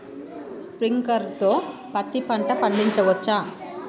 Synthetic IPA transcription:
spɾiŋkɐɾt̪oːpɐt̪ːipɐɳʈɐpɐɳɖiɲt͡ʃɐʋɐt͡ʃːaː

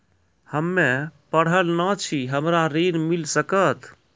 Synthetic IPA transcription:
həmːepəɽ̤əlnət͡ʃʰiɦəmɾaɾinmilsəkət̪ʰ

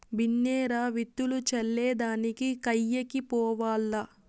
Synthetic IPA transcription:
binːɛːɾaːʋit̪ːulut͡ʃɐlːɛːd̪aːnikikɐjːekipɔːʋaːlːɐ

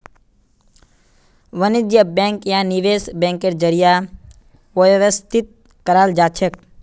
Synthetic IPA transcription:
ʋənid͡ʒjəbẽːŋkjaniʋesbɛ̃ːŋkeɾd͡ʒəɾija | ʋojʋɐst̪it̪̚ | kəɾaːld͡ʒaːt͡ʃʰɐk̚

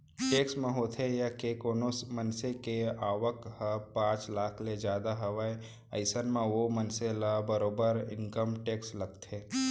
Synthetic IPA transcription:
ʈeːksmẽɦoːt̪ʰejakekoːnosmənsekeaːʋəkhəpãːt͡ʃlaːkʰled͡ʒjaːd̪aɦɐʋae | əɪsənmãʋomənselabəɾoːbəɾɪ̰̃ŋkəmʈeːkslɐɡ̚t̪ʰeː

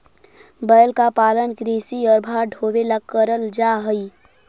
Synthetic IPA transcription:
bəːlkapaːlənkɾiːsiɔːɾbʱaːɖʱoːwelakːəɾəld͡ʒaːɦəi

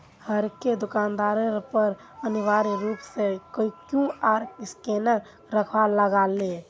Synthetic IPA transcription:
həɾked̪ʊkaːnd̪aːɾəɾpəɾ | əniʋaːɾiɾuːpsekəikjũaɾɪskenə | ɾəkʰʋaləɡaːle

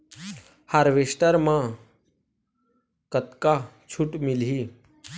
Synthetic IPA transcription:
haɾʋesʈəɾmã | kət̪ka | t͡ɕʰuʈmilɦi

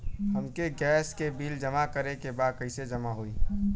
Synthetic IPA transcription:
həmkeɡɛːskebiːld͡ʒəmakəɾekebaːd̪̚kəɪsed͡ʒəmaɦoiː

